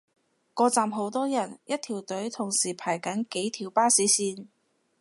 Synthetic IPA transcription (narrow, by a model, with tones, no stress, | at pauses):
kɔː˧t͡saː˨mɦo˨˥wt̪ɔː˥jɐ˨˩njɐ˥t̚t̪ʰiː˨˩wt̪ɵ˨˥ɥt̪ʰʊ˨˩ŋsiː˨˩pʰaː˨˩jkɐ˨˥nke˨˥jt̪ʰiː˨˩wpaː˥siː˨˥siː˧n